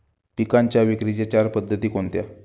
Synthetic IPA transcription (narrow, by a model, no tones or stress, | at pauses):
pikaɲt͡ɕjaʋikɾit͡ɕat͡ɕaɾpəd̪ʱːət̪iːkont̪ja̰